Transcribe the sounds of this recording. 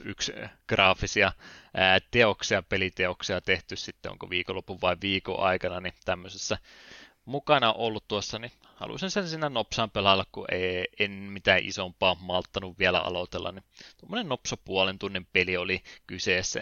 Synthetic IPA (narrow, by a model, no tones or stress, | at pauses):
yksɡ̥rɑːfisiɑ | t̪eoksiɑpelit̪eoksiɑt̪eht̪yssit̪ːeo̰ŋko̰ʋiːkolːopuʋʋɑiʋʋiːko̰ʔɑ̰ikɑnɑnit̪æmːøsesːæ | mukɑnɑʔolːut̪t̪uosːɑni | hɑ̰lṵsinsensiːnːænopsɑːmpelɑlːɑkkṵʔeienmit̪æʔḭsompɑːmɑlt̪ːɑnuʋʋielæ̰ɑ̰lot̪elːɑ̰nnit̪uomːonennopsopuolent̪unːimpeliolikyseːsːæ̰